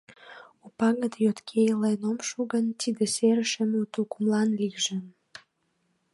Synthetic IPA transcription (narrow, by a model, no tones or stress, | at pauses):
upɑɣət̪jot̪kʰejəlenomʃuɣənt̪id̪eseɾəʃəmut̪ulkumlɑnlikʒəm